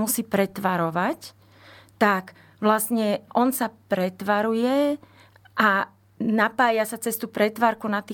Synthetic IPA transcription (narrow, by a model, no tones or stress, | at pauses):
musiːpɾɛt̪ʋaɾɔʋac | t̪ak | ʋlasɲɛʔɔnsapɾɛt̪ʋaɾujɛ | ʔa | napaːjasat͡sɛst̪uːpɾɛt̪ʋaːɾkunat̪iː